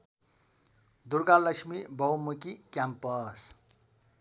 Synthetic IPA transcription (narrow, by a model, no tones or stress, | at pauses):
d̪urɡalːʌksmibʌwmukikjampʌs